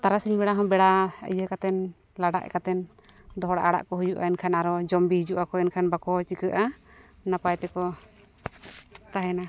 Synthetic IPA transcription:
t̪aɾasiɲbɛɽaɦɔmbɛɽaə̰jəkat̪ɛn | laɖa̰ʔɛ̰kat̪ɛn | d̪ɔɦɔɽa̰ʔaɽa̰ʔkɔɦujuʔa̰ɛnkʰanaɾɔd͡ʒɔmbiɦid͡ʒuʔakɔɛnkʰanbakɔt͡ʃikəʔanapajt̪ɛkɔ | t̪aɦɛna

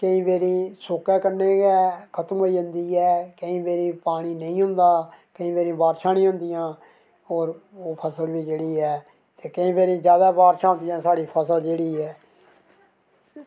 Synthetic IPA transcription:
kəĩːʋeːɾĩːsoːkɛːkənẽːɡɛːkʰət̪əmɦoːiːɦʊnd̪iːɛːkəĩːʋeːɾĩːpaːɽ̃iːnəĩːɦʊ̃nd̪aːkəĩːʋeːɾĩːbaːɾʃãːnĩːɦʊ̃nd̪ijãː | ɔːɾoːpʰəsəlʋiːd͡ʒeːɽiːɛː | t̪eːkəĩːbeːɾĩːzjaːd̪aːʋaːɾʃãːɦʊ̃nd̪ijãːsaːɽiːpʰəsəld͡ʒeːɽiːɛː

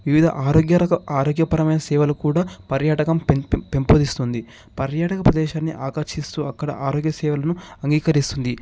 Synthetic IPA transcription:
ʋiʋid̪ʱɐ̰ʔaːɾoːɡjɐɐaːɾoːɡjɐpɐɾɐmɐjnɐsɛːʋɐlɐkuːɽaːpɐɾjaːʈɐkɐmppe̞mpoːd̪ist̪und̪i | pɐɾjaːʈɐkɐpɾɐd̪ɛːʃaːnːiʔaːkɐɾʃist̪uːɐkːɐɽɐ̰ʔaːɾoːɡjɐsɛːʋɐlɐnuɐŋɡiːkɐɾist̪und̪i

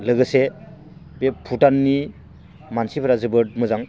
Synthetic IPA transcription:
lɯɡɯse | bepʰutanːi | mansipʰaɾazɯbɯt̚mɯzaŋ

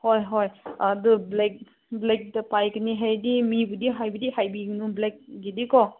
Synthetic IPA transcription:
hojɦɔjadublek̚ | blek̚dapajkɯniɦajdimibudiɦajbidihajbiɡnublek̚ɡidikɔ

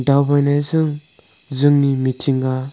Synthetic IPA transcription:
dawbajnajzɯŋ | zɯŋnimitʰiŋɡa

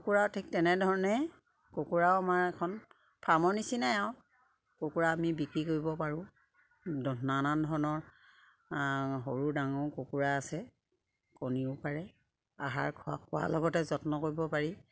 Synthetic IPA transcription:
kkuɹawtʰik̚tɛnɛdʱɔɹɔnɛ | kokuɹawamaɹɛkʰɔn | pʰamɔnisinaɛw | kokuɹaːmibikɹikoɹibɔpaɹʊ̃ | dɔnanandʱɔɹɔnɔɹ | ɦoɹudaŋɔkokuɹaːsɛ | koniʊpaɹɛ | a̰ɦa̰ɹkʰakʰʊwa̰lɔɡɔtɛzɔtnɔkoɹibɔpaɹi

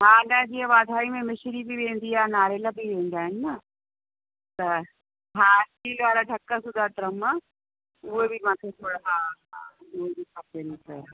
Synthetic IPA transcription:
ɦaːɗãɦd͡ʑiːɦə̃ʋaːd̪ʱaːimẽmɪʃɾibiʋẽːn̆d̪iaːnaːɾeːlabʱiʋẽːn̆d̪aːɦɪnɪ̆nɐ | t̪ɐ | ɦaːtiːlʋaːɾaɖʱɐkːəsʊd̪ʱaːt̪ɪɾɐm | ʊɦebimãːt̪ʰet̪ʰoːɽaa | ʊɦebikʰaːpenɐkɐa

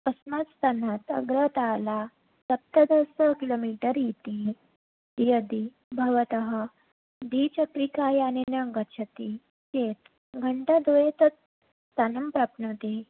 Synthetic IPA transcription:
pəsmat̪st̪ʰanat̪ə̰ɡɾət̪ala | sɐp̚t̪ad̪əsəkilomiʈəɾjit̪i | jəd̪i | bʱɐʋət̪əɦə | d̪it͡ɕəkɾikajanenəŋɡəɕʰət̪i | t͡ɕet̪ | ɡʱəɳʈad̪ojet̪ə | st̪anəmpɾapnət̪e

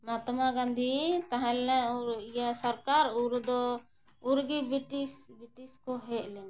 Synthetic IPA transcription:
mat̪maɡãnd̪ʱit̪aɦãlãɔɾijasəɾkaɾuɾd̪ɔ | uɾɡibiʈisbiʈiskɔɦɛʔlɛm

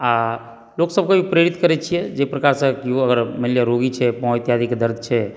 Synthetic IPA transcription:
a | loksəb̚kebʱipɾeɾit̪kəɾɛt͡ʃʰijɛd͡ʒepɾəkaɾsə̃kiəɡəɾməljaɾoɡit͡ʃʰɛpə̃jt̪jad̪ʱikd̪əɾd̪ʱt͡ʃʰɛ

